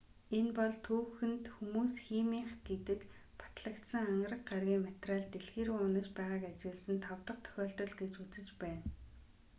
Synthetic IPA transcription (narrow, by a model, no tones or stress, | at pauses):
enpɔɮt̪ʰuːxɘ̆nt̪xumuːsxiːmiːɴχɡet̪ɘ̆k | pʰḁt̪ɮə̆kt̪sə̆ŋaɴrə̆q̚ɢarɣʲiːŋmat̪raɮt̪eɮxeːɾuʊnə̆t͡ɕpæːʁaːkat͡ɕɪ̆ɮsə̆nt̪ʰɔwt̪ə̆q̚t̪ʰœ̥xʲɔːɬt̪ɞ̆ɮɡet͡ɕut͡sɘ̆t͡ɕpæːn